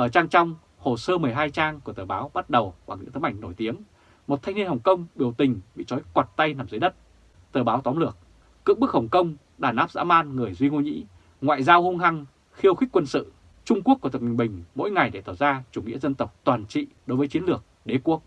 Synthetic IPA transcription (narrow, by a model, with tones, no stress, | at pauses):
ʔəː˧˩t͡ɕaː˧ŋt͡ɕa˧wŋ͡m | ho˨˩səː˧mɨ˨˩əjɦaː˧jt͡ɕaː˧ŋku˧˩ət̪ɨː˨˩ɓaː˨˦wɓa˦˥t̚ɗə˨˩wɓa˨˩ŋɨ̰˧˥ŋt̪ɨ˨˦ŋʔa˧˩ŋ̟no˧˩jt̪i˨˦əm | mo˨˩t̚t̪ʰjŋni˧ənha˨˩wŋ͡mkə˧wŋ͡mɓi˨˩əwt̪ï˨˩ŋ̟ɓḭ˧˨t͡ɕɔ˨˦jkwa˨˩t̚t̪a˧jnaː˨˩mzə˨˦jɗə˦˥t̚ | t̪ɨː˨˩ɓaː˨˦wt̪wɔ˨˦nlɨ˨˩ək̚ː | ɨ̰˧˨ŋɓɨ˦˥k̚hə˨˩ŋ͡mkə˧wŋ͡m | ɗaː˧˩nʔaː˦˥p̚za̰ː˧˥maː˧nŋɨ˨˩əjzwi˧ŋu˧ɲḭ˧˥ | ŋwa̰ː˧˨jzaː˧whu˧ŋɦa˧ŋ | xi˧əwxï˦˥k̟̚ʲkwə˧nsɨ̰˧˨ | t͡ɕʊ˧ŋ͡mku˦˥k̪̚ːmi˨˩ŋ̟ɓï˨˩ŋ̟mo̰˧˥jŋa˨˩jɗe˧˩t̪aː˧˩wzaː˧t͡ɕu˧˩ŋḭ˧˥əzə˧nt̪ə˨˩wk͡p̚t̪waː˨˩nt͡ɕḭ˧˨ɗo˨˦jvəː˨˦jt͡ɕi˨˦ənlɨ˨˩ək̚ɗe˨˦ku˦˥ək̚